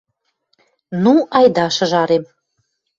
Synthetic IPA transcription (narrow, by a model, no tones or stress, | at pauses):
nuʔɑjd̪ɑʃɤ̆ʒɑɾem